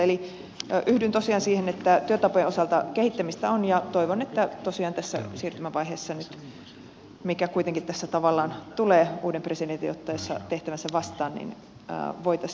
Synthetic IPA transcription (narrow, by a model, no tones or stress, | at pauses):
eli | ʔyhdynt̪osiɑːnsiːhenet̪ːæt̪yøt̪ɑpojenʔosɑlt̪ɑkehit̪ːæmist̪æonjɑt̪oiʋonet̪ːæt̪osiɑːnt̪æsːæ̰siːrt̪ymæʋɑiɦeːsːɑnyt̪ | mikækuit̪eŋkit̪t̪æsːæt̪ɑʋɑlːɑːnt̪uleːuːdempresident̪ijot̪ːɑjɑsːɑ̰t̪eht̪æʋænsæʋɑst̪ɑːnnḭn̰ː | ʋoit̪ɑ